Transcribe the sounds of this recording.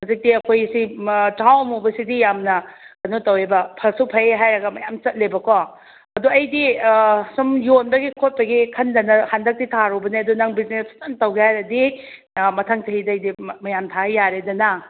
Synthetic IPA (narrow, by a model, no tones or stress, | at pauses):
huzik̚diɐkʰojsitawmubɐsidijamnɐkɐnotɐwebɐpʰɐlsupʰɐjeɦajɾɐɡɐmɐjamt͡ʃɐt̚lebɐkʰɔ | ɐduɐjdisumjonbɐɡikʰot̚pɐɡikʰɐndɐnɐhandɐk̚ditʰaɾubɐniɐdunaŋbiznestʰu̥taŋtɐwɡehajɾɐdi | mɐtʰaŋtɐɦidɐɐjdimɐjamtʰaejaɾedɐnɐ